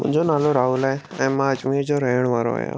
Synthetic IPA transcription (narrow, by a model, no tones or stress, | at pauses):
mʊ̃ɲd͡ʑonaːloɾaːɦuːlaːe | ɛ̃ːmãəd͡ʑmiːɾd͡ʑoɾəɦəɽ̃ʋaːɾo̰ɦjo̰